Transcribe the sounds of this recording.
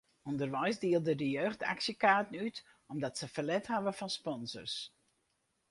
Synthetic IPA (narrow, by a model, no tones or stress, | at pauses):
undərʋɛjsdiəlˠdədəjøːxta̰ksjəkaːtn̩yt | ɔmdɔtsəfəlɛthaʋəfɔnspɔnzə̰rs